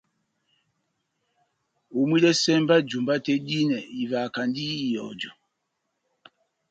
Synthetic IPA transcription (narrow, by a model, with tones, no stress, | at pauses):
u˨mwi˦lɛ˦sɛ˦mba˦d͡ʒu˨mba˦tɛ˦ɗi˦nɛ˨i˨va˨ka˨ndiː˦˨jɔ̰˨d͡ʒɔ˨